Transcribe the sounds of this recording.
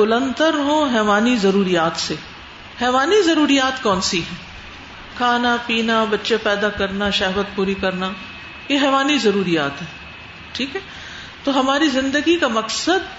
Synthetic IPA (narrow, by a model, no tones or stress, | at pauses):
ɡʊlə̃nt̪əɾɦõɦɛːʋaːnizɐɾuːɾijaːt̪se | hɛːʋaːnizɐɾuːɾijaːt̪kɔːnsiɦɛ̃ː | kʰaːnapiːnabɐtːʃepɛːd̪akɐɾnaʃɛɦʋət̪̚puːɾikɐɾna | jeɦɛːʋaːnizɐɾuːɾijaːt̪ɦɛː | ʈʰiːkɦɛː | t̪oɦɐmaːɾizɪ̃nd̪əɡikamɐksəd̪